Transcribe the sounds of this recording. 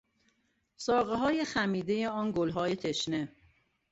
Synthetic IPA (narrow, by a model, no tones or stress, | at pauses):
sɒːɣeɦɒːjexæmiːd̪eje̞ɒːnɡolɦɒːje̞t̪ʰe̞ʃne